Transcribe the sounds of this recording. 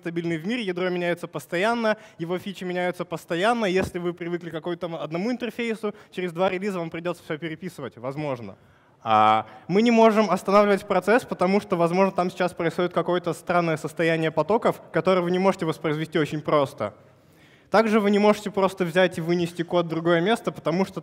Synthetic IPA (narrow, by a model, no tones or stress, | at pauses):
t̪ɐbʲilʲnɨjvmʲiɾʲɪjɪd̪ɾomʲɪnʲæjʊt̪səpəst̪ɐjanːəjɪvo̞fʲit͡ɕɪmʲɪnʲæjʊt̪səpəst̪ɐjanːəjesʲlʲɪvɨpɾʲɪvɨklʲɪkɐkojʊt̪amɐd̪nɐmuɪnt̪ərfʲejsʊt͡ɕɪɾʲɪzd̪vaɾʲɪlʲizəvampɾʲɪdʲo̞t̪səfsʲɵpʲɪɾʲɪpʲisɨvətʲvɐzmo̞ʐnə̰ | a̰mɨnʲɪmo̞ʐɨmɐst̪ɐnavlʲɪvətʲpɾɐt̪sɛspət̪ɐmuʂt̪ovɐzmo̞ʐnət̪amsʲɪ̥t͡ɕːaspɾəɪsxo̞dʲɪt̪kɐko̞jət̪əst̪ɾanːəjəsəst̪ɐjænʲɪjəpɐt̪o̞kəfkɐt̪o̞ɾɨjəvɨnʲɪmo̞ʐɨtʲɪvəspɾəɪzvʲɪsʲtʲio̞t͡ɕɪnʲpɾo̞st̪ə̰ | t̪aɡʐɨvɨnʲɪmo̞ʐɨtʲɪpɾo̞st̪əvzʲætʲɪvɨnʲɪsʲtʲɪko̞t̪̚d̪ɾʊɡo̞jəmʲe̞st̪əpə̥t̪ɐmuʂt̪o